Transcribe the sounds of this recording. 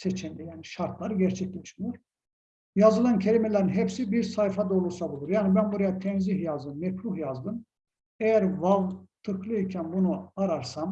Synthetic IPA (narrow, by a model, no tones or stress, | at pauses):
set͡ʃʰɛnd̪ɛjaːniʃaɾt̪ʰlˠaɾɯɟæɾt͡ʃʰɛclʲɛʃmijoɾ | jazɯlˠancʰeɾʲimelʲæɾinɦɛpsibiɾsajfad̪aolˠuɾsabulˠuɾjaːnibænbuɾajat̪ʰɛnziɦjazd̪ɯmmɛcɾuhjazd̪ɯm | ejæɾvavt̪ʰɯklˠɯicʰænbunuaɾaɾsam